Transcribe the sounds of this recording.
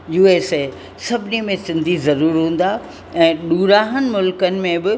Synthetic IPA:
juːeːse | sɐbʱɪnimẽsɪ̃nd̪ʱizɐɾuːɾɦũːn̆d̪a | ɛ̃ːɗuːɾaːɦənɪ̆mʊlkənɪ̆mẽbɪ

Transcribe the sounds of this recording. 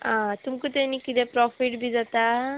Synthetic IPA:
ãt̪umkut̪enikid̪ɛpɾɔpʰiʈbʱid͡zat̪a

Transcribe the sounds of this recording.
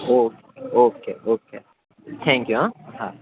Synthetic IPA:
okeoːkḛːʔoːkʰeː | t̪ʰæ̃ŋkjuãha

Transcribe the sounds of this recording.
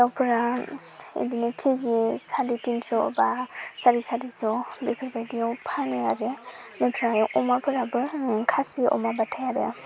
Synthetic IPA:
dawpʰɯɾa | ḛdinikʰizisaditinsɔbasaɾisaɾisɔbipʰiɾbajdijawpʰaneaɾe | nepʰɾajɔʔɔmapʰɯɾabɯkʰasiɔ̰mabatʰajaɾḛ

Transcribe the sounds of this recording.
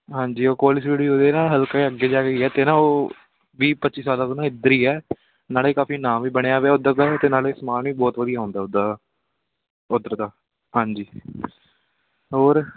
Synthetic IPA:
ɦãːɲd͡ʒiːoːkoːlɪsd͡ʒeːɽiːoːd̪eːnãːɦəlkaːeːəɡeːd͡ʒaːɡeiːɛːt̪eːnãːoː | ʋiːpətːt͡ʃiːsaːlãːt̪oːnãːɪd̪əɾiːɛː | naːleːkaːfiːnãːmʋiːbəɽ̃eaːʋeaːʊd̪əɾd̪aːt̪eːnaːleːsəmaːnʋiːbɔːt̪ʋəd̪ijaːɦõːnd̪aːʊd̪aː | ʊd̪əɾd̪aː | ɦãːɲd͡ʒiː | ɦoːɾ

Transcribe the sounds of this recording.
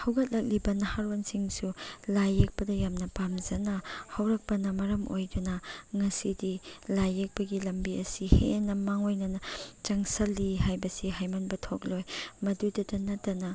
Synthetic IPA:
hɐwɡɐt̚lɐk̚libɐnɐhaɾwansiŋsulajek̚pɐdɐjamnɐpamzɐnɐhɐwɾɐk̚pɐnɐmɐɾɐmʔo̰jdunɐŋɐsidilajek̚pɐɡilɐmbiɐsihḛnɐmaŋojnɐnɐt͡ʃɐŋsɐlːihajbɐsiɦajmɐnbɐtʰok̚lojmɐdudɐdɐnɐtɐnɐ

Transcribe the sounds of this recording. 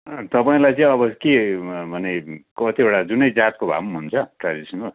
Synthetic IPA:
t̪ʌpaĩlajt͡sʌĩʌbʌkebʱʌnekʌt̪ieɽad͡zunʌjd͡zat̪̚kobʱa̰mɦunt͡sʰʌʈrad͡zisʌno

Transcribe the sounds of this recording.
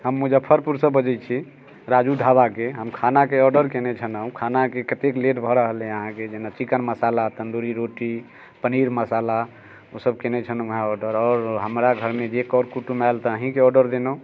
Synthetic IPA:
ɦəmːud͡ʒəbpʰəɾpuɾsəbːəd͡ʒət͡ʃʰi | ɾad͡ʒuɖʱabakeɦəmkʰanakeɔɾɖəɾkɛnɛt͡ʃʰənəũkʰanakekət̪ekleʈbʱɔɾəɦəlẽəɦãked͡ʒenat͡ʃikənməsalat̪ənd̪uɾiɾoʈi | pəniɾməsala | osəbkɛnɛt͡ʃʰənuɦãɔɖəɾɔːɾɦəmɾaɡʱəɾmed͡ʒekɔɾkuʈumajlt̪əəɦĩkeɔɖəɾd̪enə̃

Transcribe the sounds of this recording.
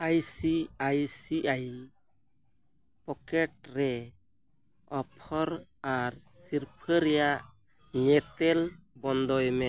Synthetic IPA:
ajsiajsiʔaj | pɔkɛʈ̚ɾɛ | ɔpʰɔɾaɾsiɾpʰəɾɛjaʔ | ɲɛt̪ɛlbɔnd̪ɔjmɛ

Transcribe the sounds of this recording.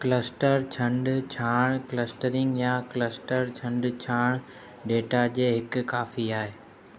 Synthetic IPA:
kləsʈəɾt͡ɕʰɐ̃ɳɖt͡ɕʰaːɽ̃kləsʈəɾɪ̃ŋɡjakləsʈəɾt͡ɕʰɐ̃ɳɖt͡ɕʰaːɽ̃ | ɖeːʈad͡ʑeːɦɪkkaːfiaːɦeː

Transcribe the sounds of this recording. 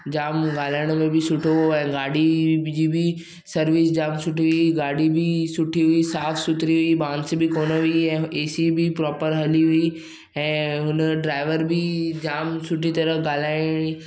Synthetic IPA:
d͡ʑaːmɡaːlaːɪɽ̃mẽbʱɪsʊʈʰoɛ̃ːɡaːɽid͡ʑiːbʱɪ | sɐɾʋɪsd͡ʑaːmsʊʈʰiʋʊiɡaːɖibɪsʊʈʰiɦʊisaːfsʊt̪ɾiɦʊibãːnd̪sbʱɪkoːnəʋiiɛ̃ːeːsibɪpɾɔːpəɾɦɐliɦʊi | ɛ̃ːɦʊnəɖɾaːɪʋəɾbʱɪd͡ʑaːmsʊʈʰit̪ɐɾəɡaːlaːɪɽ̃i

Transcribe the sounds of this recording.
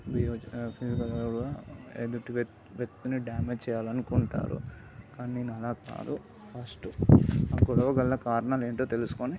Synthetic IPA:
biːɾoːpʰiːsikɐleɡɽuaed̪uʈːiʋ | ʋek̚t̪uniɖjaːmed͡ʒt͡ʃɛːjaːlɐnukuɳʈa̰ːɾṵkaːnineːnuɐlaːka̰ːd̪u | pʰɐsʈuɐkːuɽɐɡɐlːɐkaːɾɐnaːleːɳʈoːt̪e̞lusu̥koni

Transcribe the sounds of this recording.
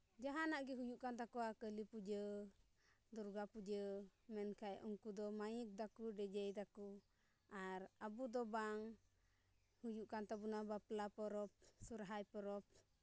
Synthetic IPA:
d͡ʒaɦanaʔɡɛɦujuʔkant̪akɔakəlipud͡ʒə | d̪ɔɾɡapud͡ʒəmɛnkʰajɔ̰ŋkud̪ɔmajuk̚d̪akuɖɛd͡ʒɛjd̪aku | aɾabud̪ɔbaŋ | hujuʔkant̪abunabaplapɔɾɔp̚suɾɦajpɔɾɔp̚

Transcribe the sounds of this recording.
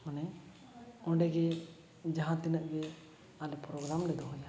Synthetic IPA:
manɛ | ɔ̃ɖɛɡɛ | d͡ʒaɦãt̪inaʔɡɛ | alɛpɾɔɡɾamɖɛd̪ɔɦɔja

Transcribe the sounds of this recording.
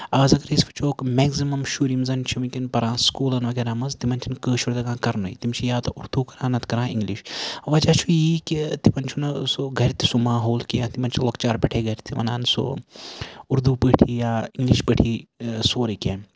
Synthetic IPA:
ɐːzɐɡɐɾisfɐ̥t͡ʃʰoːkmɛːɡzimɐmʃuːɾimzɐnt͡ʃʰimikʲinpɐɾãːskuːlɐnʋɐɡeːɾaːmɐzt̪imɐnt͡ʃʰinkəːʃuɾd̪ɐɡãːkɐɾno̰ḭt̪imt͡ʃʰijaːt̪ɐʔuɾd̪ukɐɾãːnɐt̪kɐɾãːḭŋɡliʃɐʋɐd͡ʒaːt͡ʃʰujiːkit̪ipɐnt͡ʃʰunɐsoɡʱɐɾt̪ʰi̥sumaːɦoːlkijaːt̪imɐnt͡ʃʰiloːkt͡ʃaːɾpʲɐʈʰeːɡɐɾʲt̪ʰiʋɐ̰na̰ːnso̰ | uɾd̪uːpəːʈʰijaːiŋɡliʃpəʈʰiːsoːɾɐkʲeː

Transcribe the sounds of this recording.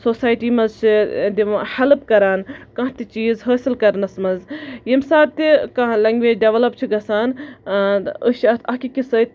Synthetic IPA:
soːsaːjʈiːmɐzt͡ʃʰid̪ihɐlp̚kɐɾaːnkɐ̃ɦt̪it͡ʃiːzɦəːsilkɐɾnɐsmɐzjimsaːt̪ikãɦlɐŋɡʋeːd͡ʒɖeʋɐlɐp̚t͡ʃʰiɡɐsaːn | əʃɐt̪ʰɐkikisət̪

